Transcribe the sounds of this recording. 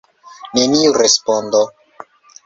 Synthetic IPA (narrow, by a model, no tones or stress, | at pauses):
neniuɾespond̪o